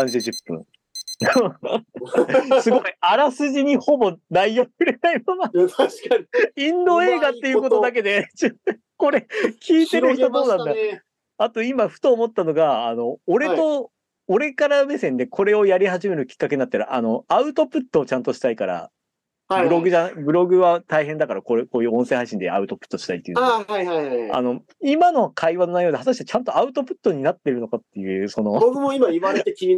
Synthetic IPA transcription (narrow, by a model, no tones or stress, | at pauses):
ãɲd͡ʑiʑɨpːɯ̟̰̃ŋ | sɨɡo̞iaɾasɨʑiɲ̟iho̞bo̞naijokɯ̟ɾe̞naimona | ĩnd̪o̞e̞ːɡat̪ːe̞jiɯko̞t̪od̪ak̬e̞d̪e̞d͡ʑɨ | ko̞ɾe̞kʲʰiːt̪e̞ɾɯ̟çt̪od̪oːnãnd̪a | at̪o̞imaɸɯ̟̥t̪oːmo̞t̪ːano̞ɡaːno̞ːɾe̞tt̪o̞ | oɾe̞kaɾamesẽ̞nd̪e̞kʰo̞ɾe̞o̞jaɾʲihaʑime̞ɾɯ̟kʲi̥kːake̞ɲinat̪ːeɾɯ̟ʔano̞aɯ̟t̪o̞pɯ̟t̪ːo̞ːt͡ɕãnt̪o̞ɕi̥t̪aikaɾa̰ | bɯ̟ɾo̞ɡɯ̟ʑanabɯ̟ɾo̞ɡɯ̟βat̪aiɦẽ̞nd̪akaɾakokoːjɯ̟ːõ̞sẽ̞ɦaɕ̬ĩnd̪e̞̰a̰ɯ̟t̪o̞pɯ̟̥t̪ːo̞ɕi̥t̪ait̪ːeiaiaia̰no̞ | imano̞kʰaiβanoajo̞ːd̪eɦat̪aɕi̥t̪et͡ɕãnt̪o̞aɯ̟t̪o̞pɯ̟̥t̪ːo̞ɲ̟inat̪ːe̞ɾɯ̟no̞kat̪ːe̞jɯ̟ːso̞nobokɯmoimaiβaɾet̪ekʲii